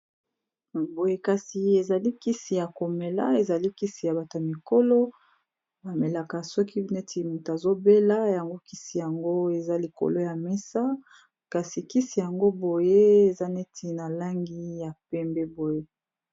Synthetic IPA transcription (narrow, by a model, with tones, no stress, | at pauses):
bo˨je˦ka˨si˨e˨za˨li˦ki˦si˨ja˨ko˨me˨la̰˦e˨za˨li˦ki˦si˨ja˨ba˨to˨a˨mi˨ko˦lɔ˦ | ba˨me˨la˨ka˨sɔ˦ki˦ne˦tʰi˨mu˨ta˨zo˦be˦la˦ja˨ŋɡo˦ki˦si˨ja˨ŋɡo˦e˨za˦li˨ko̰˨lo˦ja˨mɛ˦sa˦ | ka˨si˨ki˦si˨ja˨ŋɡo˦bo˨je˦e˨za˦ne˦tʰi˨na˨la˦ŋɡi˦ja˨pɛ˦mbɛ˦bo˨je˦